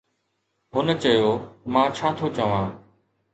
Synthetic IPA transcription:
ɦʊnət͡ɕəjoːmãːt͡ɕʰaːt̪ʰot͡ɕəʋãː

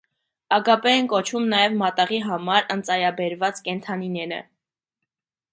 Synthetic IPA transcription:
ɑɡɑpɛɛnkɔt͡ʃʰumnɑjɛvmɑt̪ɑʁiɦɑmɑɾənt͡sɑjɑbɛɾvɑt͡skɛnt̪ʰɑninɛɾə̰

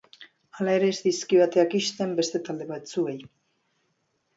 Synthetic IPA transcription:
alae̞ɾe̞ːzðiskiβat̪e̞akiʃt̪e̞mbe̞st̪e̞t̪ald̪e̞β̞at̪sue̞j

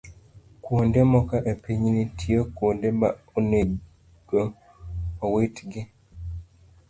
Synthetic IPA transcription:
kuondɛmɔkaʔɛpʰeɲinitʰiɔkuondɛba | une | ɡɔ | ɔwetɡe

